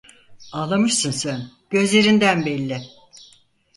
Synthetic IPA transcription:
alˠamɯʃsɯnsæn | ɟ̥ø̞zlʲe̞ɾind̪ænbɛlʲːɪ

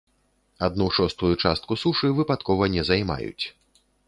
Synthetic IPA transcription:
ad̪nuʂɔst̪ujut͡ʂast̪̚kusuʂɨvɨpat̪kɔvɐnʲɛzajma̰jṵt͡sʲ

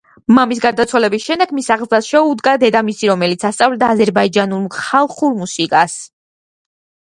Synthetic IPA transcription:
mamis̬ɡaɾd̪at̪sʰwalɛbisʃɛnd̪ɛɡmisaʁd̪zlasʃɛud̪ɡad̪ɛd̪amisiɾɔmɛlit̪sʰast̪sʼavlɛd̪aːzɛɾbaid͡ʒanulmχalˠχuɾmusikʼas

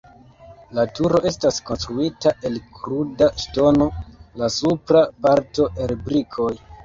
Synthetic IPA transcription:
latuɾo̞ʔe̞staskonstɾuitaʔe̞lkɾudaʃto̞no̞lasupɾapaɾto̞ʔeɾebɾikʰo̞j

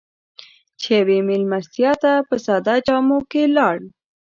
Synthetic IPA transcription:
t͡ʃeawemɪlmasjɑt̪apəsad̪ɑd͡ʒɑmokelɑɽ

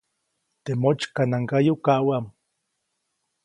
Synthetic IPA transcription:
t̪emot͡ʃkanaŋkajukawam

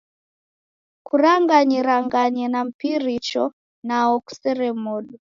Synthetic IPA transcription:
kuɾaŋɡaɲɛɾaŋɡaɲɛnam̩piɾit͡ʃɔ | naɔku̥sɛɾɛmɔɗu

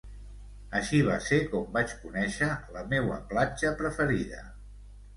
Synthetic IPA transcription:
əʃiβ̞asekɔmbat͡ʃkunɛʃələmewə̰plad͡ʒəpɾəfəɾiðə̰

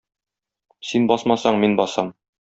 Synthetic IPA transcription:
sinbɒsmɑsɑɴminbɒsɑm

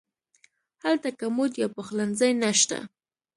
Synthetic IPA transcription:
halt̪akamʊt̪japaχlanzajnaʃt̪a̰

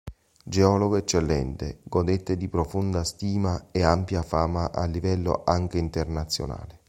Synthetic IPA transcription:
d͡ʒeɔloɡoɛt͡ʃːelːɛ̰nt̪ḛɡod̪et̪ːed̪ipɾofund̪ast̪iːmaeampjafaːmaʔa̰lːivɛlːo̰ʔaŋk̟eint̪ernat̪sːjo̰na̰ːle

